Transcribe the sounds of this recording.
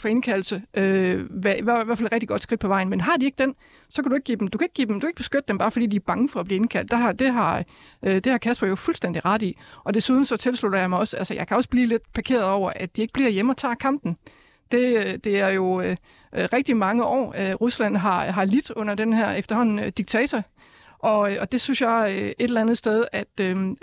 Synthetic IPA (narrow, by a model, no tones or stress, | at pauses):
fɒ̽e̝nkʰæl̩səʔøʋæɐiʋæʋæɐfæledʁeɡ̚d̥iɡ̥ɒ̽d̥sɡ̥id̥̚pʰɒ̽ʋɑ̈ɪnmenɦɑ̈d̥ieɡ̥d̥en | sɒkʰæd̥ue̝ɡ̥̚ɡḭːdemd̥ukʰæe̝ɡ̥̚ɡ̥ḭːd̥emd̥ukeɡ̥̚b̥e̝sɡ̥ød̥əd̥emb̥ɑ̈ːfɒ̽dḭːd̥iæɐb̥ɑ̈ŋəfɒ̽æb̥liːenkʰæl̰d̥ehɑd̥e̝ɦɑ̈ | d̥e̝hɑ̈kʰæsb̥ɐjo̝fulsd̥en̰d̥iʁɑ̈ɾ̥iʔɒ̽d̥e̝suːð̞ˠn̩sɒ̽t͡sʰe̝lslud̥ɐjɑ̈ɪmɑ̈ɪɒ̽sælsɐjɑ̈ɪkʰæɒ̽sb̥liːle̝d̥pʰɑ̈kʰe̝̰ːɐð̞̩ˠɒʊ̰ɐʔæd̥̚ie̝ɡ̥̚b̥liɐjeməɒ̽t͡sʰɑ̰̈ːkʰɑ̈m̰b̥n̩ | d̥e̝ød̥e̝æɐjo̝ø | ʔʁɛɡ̥̚d̥imɑ̈ŋəʔɒ̰ːøʁuslæn̰ɦɑ̈ɦɑ̈lid̥ɔ̽n̰ɐd̥enhæɐ̰efd̥ɐhɒ̽n̰n̩d̥iɡ̥̚t͡sʰɛːt͡sʰɒ | ʔɒ̽øɒ̽d̥e̝synsjɑ̈ɪøe̝ɾelænð̩ˠsd̥eð̞ˠæd̥ø